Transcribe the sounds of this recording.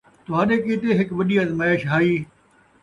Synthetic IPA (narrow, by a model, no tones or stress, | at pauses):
t̪ʊɦãːɗeːkiːt̪eɦɪkʋɐɗiːɐzmɐeːʃɦaːiː